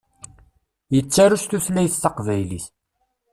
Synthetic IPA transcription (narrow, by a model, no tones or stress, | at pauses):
jət͡sːaɾuʃt̪uθlːæjθθɑqvæjliθ